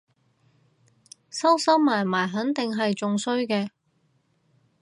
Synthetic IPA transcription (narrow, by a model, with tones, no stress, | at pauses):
sɐ˥wsɐ˥wmaː˨˩jmaː˨˩jɦɐ˨˥nt̪ɪ˨ŋɦɐ˨jt͡sʊ˨˧ŋsɵ˥ɥkɛː˧